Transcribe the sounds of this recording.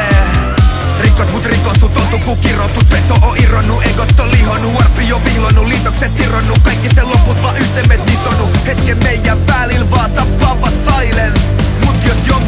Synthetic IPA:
rikːot̪mut̪rikːosut̪ot̪ukukirot̪ːut̪met̪ːoʔoʔironːuʔeikot̪t̪ːolihonːuɑrpijopilonːuliːt̪okset̪ːironːukɑjkːiseloput̪ʋɑːʔyht̪emːet̪mit̪onːuhet̪kemmeijːæmpælilʋɑːt̪ɑppɑpɑsɑilen | mut̪josjoŋ

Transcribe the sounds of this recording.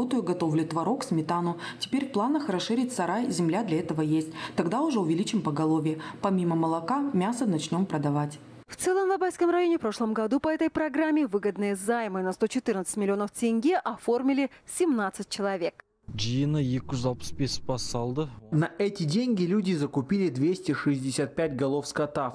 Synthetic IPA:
ot̪əjʊɡɐt̪o̞vlʲɪt̪vɐɾo̞ksʲmʲɪt̪anʊtʲɪ̥pʲeɾʲfplˠanəxrɐsʂɨɾʲɪt̚ʲsɐɾajzʲɪmlʲad̪lʲɐɛt̪əvəjesʲt̚ʲt̪ɐɡd̪aʊʐɛʊvʲɪlʲit͡ɕɪmpəɡɐlˠo̞vʲɪjəpɐmʲiməməlˠɐkamʲasənɐt͡ɕnʲo̞mpɾəd̪ɐvatʲ | ft̪sɛlˠəmvˠɐbajʲskəmrɐjo̞nʲɪpɾo̞ʂlˠəmɡɐd̪upɐɛt̪əjpɾɐɡɾamʲːɪvɨɡəd̪nɨjəzajmɨnɐst̪o̞t͡ɕɪt̪ɨrnət̪sɨtʲmʲɪlʲɪo̞nəftʲɪnʲɡʲiʔɐfo̞rmʲɪlʲɪsʲɪmnat̪sɨt̚ʲt͡ɕɪlˠɐvʲe̞k | d͡ʒijɪnəjekzalˠpspʲespɐsɑlˠd̪ənɐʔɛtʲɪdʲeŋʲɡʲɪlʲudʲɪzəkʊpʲilʲɪd̪vʲesʲtʲɪʂɨzʲdʲɪsʲat̪̚pʲæt̚ʲɡɐlˠofskɐt̪af

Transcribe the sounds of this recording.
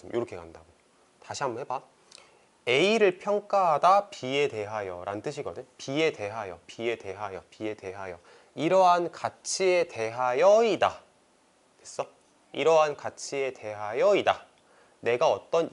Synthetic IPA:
ɯmjoɾʌkʰeka̰ndaɡo | taɕʰiɦambuɦeba | e̞iɾɯɭpʰjʌŋk͈aɦadapie̞de̞ɦajʌ̰ɾa̰nt͈ɯɕʰiɡʌdɯɲpie̞de̞ɦajʌ̰pie̞de̞ɦajʌpie̞de̞ɦajʌ | iɾʌɦankat͡ɕʰie̞te̞ɦajʌida | es͈ʌ | iɾʌɦankat͡ɕʰie̞de̞ɦajʌida | ne̞ɡaʌt͈ʌn

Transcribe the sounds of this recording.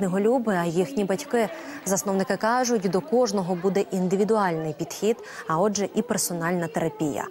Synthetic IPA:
neɦɔlʲubɪɐjixnʲibɐtʲkɪ | zɐsnɔwnɪkɪkɑʒʊtʲd̪ɔkɔʒnɔɦɔbud̪ɛʔind̪ɪʋʲid̪ʊɑlʲnɪjpʲid̪xʲid̪ | ɐɔd͡ʒɛʔipersɔnɑlʲnɐt̪eɾɐpʲijɐ̰

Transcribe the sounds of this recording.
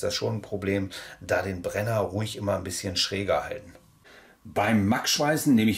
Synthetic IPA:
d̥asʃoːnnpʁ̥obleːmd̥aːdeːnbʁɛnɐʁuɪçʔɪmɐnbɪsçənʃʁ̥ɛːɡɐha̰ltn̩ | b̥aɪmːakʃv̥aɪzn̩neːməɪ

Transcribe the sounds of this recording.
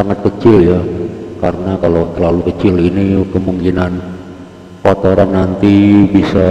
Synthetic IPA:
saŋat̪̚kət͡ʃɪljaka̰ɾənakalot̪əlalukət͡ʃɪlinikəmuŋkinan | fat̪oɾanːant̪ibisa

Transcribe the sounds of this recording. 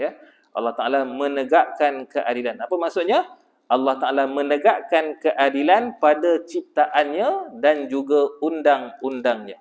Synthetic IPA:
ja | ʔɑ̰lːɑht̪aʔalamə̃nəɡaʔkankəʔadilanapamaʔsʊʔɲa | ʔalːɑht̪aʔalamə̃nəɡaʔkankəʔadilanpadat͡ʃip̚t̪aʔanɲãdand͡ʒuɡaundaŋundaŋɲa

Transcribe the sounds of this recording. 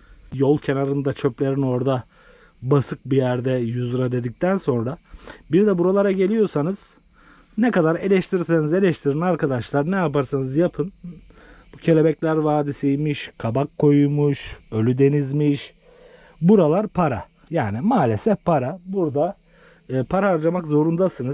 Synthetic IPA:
jo̞lˠcʰe̞naɾɯnd̪at͡ʃʰø̞plʲe̞ɾino̞ɾd̪a | basɯk̚bijæɾd̪ɛjuzɾad̪e̞d̪ic̚t̪ʰænso̞nɾabiɾd̪ɛbuɾalˠaɾaɟe̞lʲijo̞ɾsanɯz̥ | nɛkad̪aɾe̞lʲɛʃt̪ʰiɾsenize̞lʲɛʃt̪ʰiɾinaɾkʰad̪aʃlˠaɾnɛjapaɾsanɯzjapʰɯn | bucʰe̞lʲe̞bɛclʲæɾvaːd̪isijmiʃkʰabakʰːo̞jumuʃø̞lʲyd̪e̞nizmiʃ | buɾalˠaɾpʰaɾa̰ | jaːnimaːlʲesɛfpʰaɾabuɾd̪aː | pʰaɾaːɾd͡ʒamakzo̞ɾund̪asɯnɯ

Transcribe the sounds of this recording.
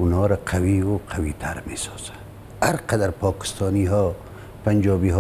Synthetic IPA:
unɔːɾaqʰawiwoqʰawit̪ʰaɾmesɑ̥z̥an | haɾqad̪aɾpɔːkɪ̥st̪ɑniɦɔ | pand͡ʒɑːbiɦ

